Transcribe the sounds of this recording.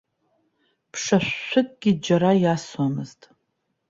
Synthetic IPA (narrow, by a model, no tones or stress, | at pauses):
pʰʂaʃːʷɨkʼɡ̥ʲid͡ʒaɾajaswamɨztʼ